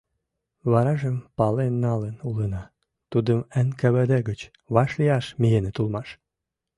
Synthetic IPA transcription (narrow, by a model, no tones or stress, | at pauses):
βɑɾɑʒəmpɑlenːɑlənulənɑ | t̪ud̪əmənkəβəd̪eɡət͡ɕ | βɑʃlijɑʃmijenet̪ulmɑʃ